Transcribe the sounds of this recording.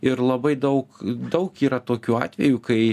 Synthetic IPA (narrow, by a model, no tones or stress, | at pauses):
ɪrlˠɐbɐɪd̪ɐʊkd̪ɐʊkiːɾɐt̪oːkʲuːɑ̰ːt̪ʲʋʲɛjuːkɐɪ